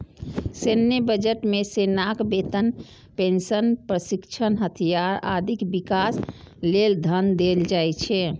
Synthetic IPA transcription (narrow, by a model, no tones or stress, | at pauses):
senːebəd͡ʒəʈmesenakbet̪ən | pensənpɾəsikt͡ʃʰənɦət̪ʰijaɾa̰d̪ʱikbikas | leld̪ʱənd̪eld͡ʒajt͡ʃʰɛ